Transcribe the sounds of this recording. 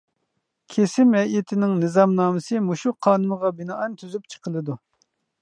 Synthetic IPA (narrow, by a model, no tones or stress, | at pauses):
kʲʰesɪmɛɪt̪ʰɪnɪŋnɨzɑmnɑːmɨsɨmuʃuqʰɑːnɨməʁɑbɪnɑʔɑnt̪ʰyzypt͡ʃʰə̥qəlˠɨd̪u